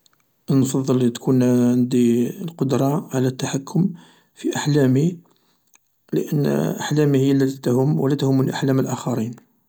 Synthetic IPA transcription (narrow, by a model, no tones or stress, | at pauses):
ʔnfɑðˤːəlt̪kʰunʕənd̪ilqod̪ɾˤɑʕalæt̪ːaħakːʊm | fiʔaħlæmi | lə̰ʔə̰nːʔa̰ħlæmihəjːəlːæt̪it̪hʊmwəlæt̪hʊmːunʔaħlæməlʔæxɑɾin